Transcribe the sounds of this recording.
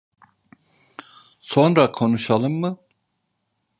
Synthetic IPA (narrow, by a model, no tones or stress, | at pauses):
so̞nɾakʰo̞nuʃalˠɯmːɯ